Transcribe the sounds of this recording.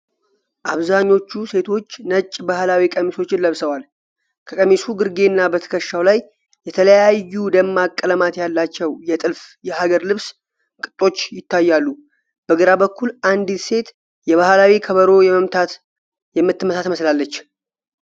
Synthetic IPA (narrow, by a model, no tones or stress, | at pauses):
ʔaβzaɲːo̞t͡ʃːuse̞t̪ʰo̞t͡ʃːnət͡ʃʼːbahlawikʼəmiso̞t͡ʃːɪnləβsəwal | kʰəkʼəmisuɡɨɾɡe̞nːabət̪ʰə̥kʰəʃːawlajː | ɛt̪ʰələjajːud̪əmːakʼːələmat̪jalːat͡ʃːɛwjɛt̪ʼɨlfjɛhaɡəɾlɨβs | kʼɨt̪ʼːo̞t͡ʃːjɪt̪ːajːalːu | b̥əɡɨɾabəkʰːulʔand̪ise̞t̪ | jɛβahlawikʰəβəɾo̞jɛməmt̪ʰat̪ | jɛmːɨt̪ːɨməsat̪məslalːət͡ʃː